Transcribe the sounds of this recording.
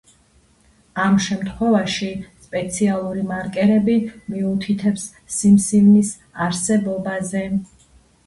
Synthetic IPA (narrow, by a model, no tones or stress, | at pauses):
amʃɛmt̪ʰχwɛvaʃispʼɛt̪sʰialˠuɾimaɾkʼɛɾɛbimiut̪ʰit̪ʰɛpsː | imsivnis | aɾsɛbɔbazɛ